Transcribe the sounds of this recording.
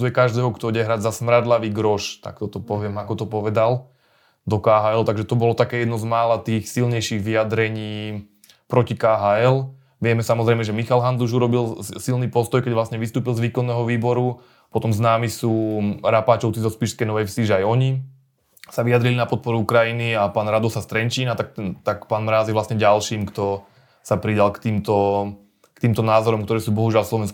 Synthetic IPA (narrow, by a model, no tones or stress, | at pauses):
ujɛkaʒd̪ɛːɦɔkt̪ɔɟɛɦɾaɟzasmɾad̪laʋiɡɾɔʃt̪a̰k̚t̪ɔt̪ɔpɔʋɪɛmakɔt̪ɔpɔʋɛd̪al | d̪ɔkaːɦaːɛlt̪aɡʒɛt̪ɔbɔlɔt̪akɛːjɛd̪nɔzmaːlat̪iːxsilɲɛjʃiɣʋiad̪ɾɛɲiː | pɾɔcikaːɦaːɛl | ʋɪɛmɛsamɔzɾɛɪmɛʒɛmixalɦanzuʒuɾɔbilsilniːpɔst̪ɔjkɛɟʋlasɲɛʋist̪uːpilzʋiːkɔnːɛːɦɔʋiːbɔɾu | pɔt̪ɔmznaːmisuːɾapaːt͡ʃɔʊt͡sizɔspiːʃskɛjnɔʋɛjfsiʒɛajɔɲi | saʋijad̪ɾilinapɔt̪̚pɔɾuukɾajiniapaːnɾad̪ɔsast̪ɾɛɲt͡ʃiːnat̪akt̪akpaːnmɾaːziʋlasɲɛɟalʃiːmkt̪ɔ | sapɾid̪alkt̪iːmt̪ɔ | kt̪iːmt̪ɔnaːzɔɾɔmk̚t̪ɔɾɛːsuːbɔɦuʒɪalfslɔʋɛnsk